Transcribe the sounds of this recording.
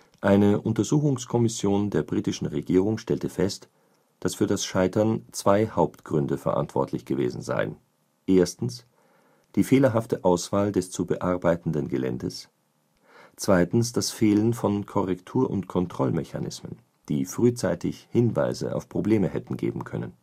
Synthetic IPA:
ʔaɪnəʔʊntɐzuːxʊŋskʰɔmɪsjoːndeːɐbʁiːtɪʃn̩ʁeɡiːʁʊŋʃtɛltəfɛst | d̥asfyːɐdasʃaɪtɐnt͡sv̥aɪhaʊptɡ̥ʁʏndəfɛɐʔa̰ntv̥ɔ̰ɐtʰlɪçɡ̥əvḛːzn̩za̰ɪə̰n | ʔeːɐstn̩s | d̥iːfeːlɐɦaftəʔaʊsv̥aːldɛst͡subəʔaɐbaɪtn̩dənɡəlɛ̰ndəs | t͡sv̥aɪtn̩sd̥asfeːlənfɔnkʰɔʁɛktʰuːɐʔʊ̰ntkʰɔntʁ̥ɔlmɛça̰nɪ̰smə̰n | d̥iːfʁ̥yːt͡saɪtɪçhɪnva̰ɪzə̰ʔa̰ʊfpʁ̥obleːməhɛtn̩ɡḛːbm̩kʰœ̰nən

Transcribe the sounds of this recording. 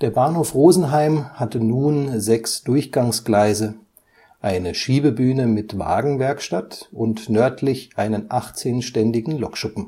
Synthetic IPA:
d̥eːɐbaːnhoːfʁoːzn̩ɦaɪmhatənuːnzɛksd̥ʊɐçɡ̥aŋsɡ̥laɪzə | ʔaɪnəʃiːbəbyːnəmɪtma̰ːɡŋ̩vɛɐkʃtatʊntnœɐtʰlɪçʔaɪnənʔaχt͡seːnʃtɛndɪɡŋ̩lɔkʃʊpm̩

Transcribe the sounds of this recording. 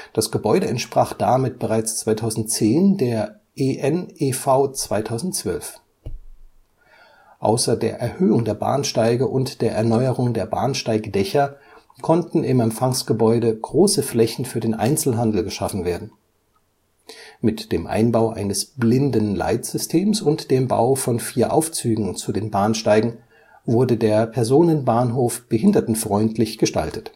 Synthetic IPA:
d̥asɡ̥əbɔʏɾəɛntʃpʁ̥aːχd̥amɪt̚b̥əʁaɪt͡st͡sv̥aɪtʰaʊzn̩tt͡seːndeːɐ | ʔeʔɛnʔefaʊt͡sv̥aɪtʰaʊzn̩tt͡sv̥œlf | ʔa̰ʊsɐdeːɐʔɛɐhøːʊŋdeːɐba̰ːnʃtaɪɡəʔʊntd̥eːɐʔɛɐnɔʏəʁʊŋdeːɐba̰ːnʃtaɪɡd̥ɛçɐ | kʰɔntn̩ɪmɛmfaŋsɡ̥əbɔʏdəɡ̥ʁoːsəflɛçn̩fyːɐdeːnʔa̰ɪnt͡sl̩ɦandl̩ɡəʃafn̩veːɐdn̩ | mɪtd̥eːmʔa̰ɪnbaʊʔa̰ɪnəsb̥lɪndənla̰ɪtz̥ʏstʰeːmsʊntd̥eːmba̰ʊfɔnfiːɐʔa̰ʊft͡syːɡŋ̩t͡sudeːnbaːnʃtaɪɡŋ̩ | vʊɐdədeːɐpʰɛɐzoːnənbaːnɦoːfb̥əhɪndɐtn̩tfʁ̥ɔʏntʰlɪçɡ̥əʃta̰ltə̥t

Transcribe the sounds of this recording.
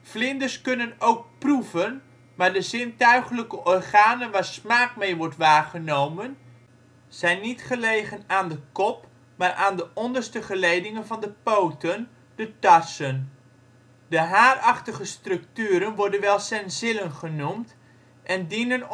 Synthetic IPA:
flɪndəɹskɵnənowk̚pruvən | maːɹdəzɪntœɥχələkəʔɔrχaːnənʋaːɹsmaːkmejʋɔɹtʋaːɹχənowmən | z̥ɛjnːitχəlejχənaːndəkɔp | maːɹʔaːndəʔɔndəɹstəχəlejdɪŋənvɑndəpowtən | d̥ətɑsən | dəɦaːrɑχtəχəstrɵk̚tyːɾənʋɔɹdənʋɛlˠsɛnsɪlənχənumt | ʔɛndinən

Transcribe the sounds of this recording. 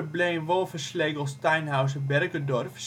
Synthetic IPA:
blenʋɔlˠfərsleːɡəlˠstɛjnɦaws̬əbɛrkədɔrfs

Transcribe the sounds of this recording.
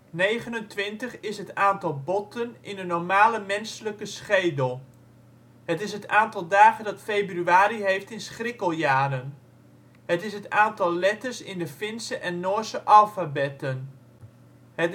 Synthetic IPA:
nejχənəntʋɪntəχɪsɦətaːntɑlˠbɔtʰənɪnənɔɹmaːləmɛnsələkəsχejdəlˠ | hətɪsɦətaːntɑlˠdaːχəndɑtfejbryaːɾiɦejftɪnsχrɪkəlˠjaːɾən | ɦətɪsɦətaːntɑlˠlɛtəɹsɪndəfɪnsəʔɛnːɔːsəʔɑlˠfabɛtən | ɦə

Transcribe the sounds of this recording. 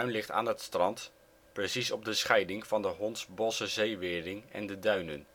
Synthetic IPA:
ɥnlɪχta̰ːnɦətstrɑnt | prəsisɔb̚dəsχɛjdɪŋvɑndəɦɔntsbɔsəzejʋɪːɹrɪŋɛ̰ndədœɥnə̰n

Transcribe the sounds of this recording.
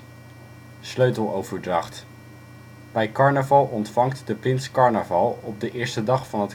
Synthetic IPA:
sløɥtəlˠowv̥əɹdrɑχt | b̥ɛjkɑɹnəvɑlˠʔɔntfɑŋktdəprɪnskɑɹnəvɑlˠɔb̚dəʔɪːɹstədɑχfɑnɦət

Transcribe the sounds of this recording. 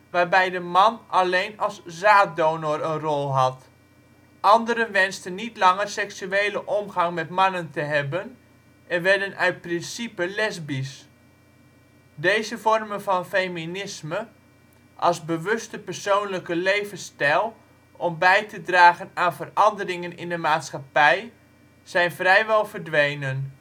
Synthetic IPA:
ʋaːrbɛjdəmɑnɑlejnɑlˠszaːt̚doːnorənrɔlˠɦɑt | ʔɑndəɾənʋɛnstənːitlɑŋərsɛksyeːləʔɔmɣɑŋmɛtmɑnəntəɦɛbən | ʔɛnʋɛɹdənœɥt̚prɪnsipəlɛzbis | dejzəvɔrmənvɑnfejminɪsmə | ʔɑlˠzbəʋɵstəpərsoːwnləkəlejvənstɛlˠ | ɔmbɛjtədraːɣənaːnvərɑndərɪŋənɪ̰ndəmaːtsχapɛj | z̥ɛjnvrɛjʋɛlˠvərdʋejnən

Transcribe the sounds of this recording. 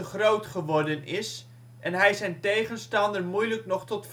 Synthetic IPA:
əχrowtχəʋɔrdənɪs | ʔɛnɦɛjsɛjntejχənstɑndəɹmujləknɔχtɔtf

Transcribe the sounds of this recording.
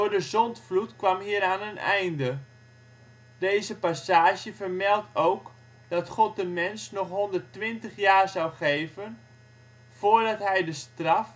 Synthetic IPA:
d̥oːɹdəzɔntflutkʋamɦiəɾaːnənɛ̰jndə | dejzəpasaːʃjəvərmɛlˠtowk | d̥ɑtχɔt̚dəmɛnsnɔχɦɔndərtʋɪntəχjaːɹzawχejvən | foːɹdɑtɦɛjdəstrɑf

